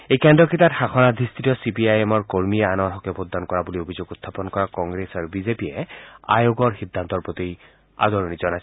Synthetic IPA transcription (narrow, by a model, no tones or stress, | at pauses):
ejkɛndɹɔkitatxaxɔnad̪ʱist̪ʰitiɔsipiajɛmɔɹkoɹmiɛanɔɦɔkɛpʰod̪ʱːankɔɹabuliobʱizoɡut̪ʰːapɔnkɔɹakɔŋɡɹesaɹbizepijɛa̰joɡɔɹxid̪ʱːant̪ɔɹpɹot̪ij | a̰d̪ɔɹonizɔnajsɛ